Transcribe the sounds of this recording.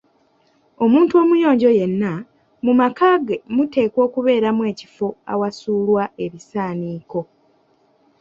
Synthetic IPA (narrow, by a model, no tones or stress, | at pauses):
o̞muːntuo̞ːmujo̞ːɲɟo̞je̞nːa | mumakaːɡe̞mute̞ːko̞ːkuβe̞ːɾamwe̞ːci̥fo̞a̰wasuːlwae̞βisaːniːko̞